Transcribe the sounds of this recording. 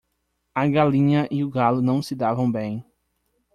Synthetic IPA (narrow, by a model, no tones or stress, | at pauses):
ɐɡalĩɲɐʔiʊɡalʊnɐ̃w̃sɪd̪avɐ̃w̃bẽj̃